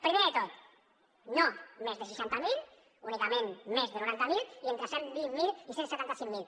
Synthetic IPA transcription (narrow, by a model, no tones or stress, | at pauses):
pɾimeðət̪ot̪ | nomezðəʃ̬əʃant̪əmilˠ | unikəmenmezðənuɾant̪əmilˠient̪ɾəsembiŋːilˠisensət̪ant̪əsimːmilˠ